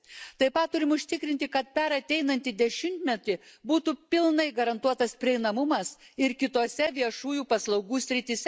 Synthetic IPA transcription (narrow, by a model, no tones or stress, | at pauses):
t̪ɐɪpɐt̪ːʊɾʲɪmʊʃʲt̪ʲɪkɾʲɪnʲt̪ʲɪkɐt̪̚pʲɛɾɐt̪ʲɛɪnɐnʲt̪ʲɪd̪ʲɛʃʲɪmʲt̪ʲmʲɛt̪ʲɪbuːt̪upʲɪlˠnɐɪɡɐɾɐnt̪uɔt̪ɐspʲɾʲɪɛɪnɐmʊmɐsɪɾkʲɪt̪oːsʲɛʋʲiɛʃuːjuːpɐslˠɐʊɡuːsʲɾʲɪt̪ʲɪsʲɛ